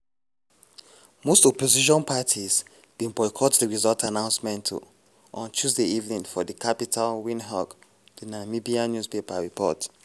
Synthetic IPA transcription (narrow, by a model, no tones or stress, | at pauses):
mostɔpoziʃ̬ɔ̃npʰatʰiz̥ | b̥ĩnbɔɪkʰɔtdəɹizɔltanãʊ̃nsmɛ̃ntʰ | ʔɔ̃ntʰuzdeivnĩnfɔdəkʰapitʰalwĩnɦɔk | dənamibianjuspepaɹipʰɔ̰t